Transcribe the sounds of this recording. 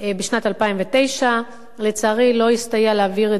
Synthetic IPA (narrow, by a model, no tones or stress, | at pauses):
beʃnatalpaimvete̞jʃa | let͡saːʁilo̞ist̪ajaleaviʁe